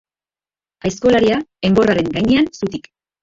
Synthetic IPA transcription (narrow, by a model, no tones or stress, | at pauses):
ajsko̞laɾiae̞mbo̞raɾe̞ŋɡajɲeansut̪ik